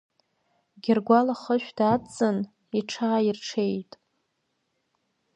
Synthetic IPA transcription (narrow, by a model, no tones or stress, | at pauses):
ɡʲɪrɡʷalaχəʃʷᶣdat͡sʼɨn | iʈ͡ʂʰaːirʈ͡ʂʰe̞jtʼ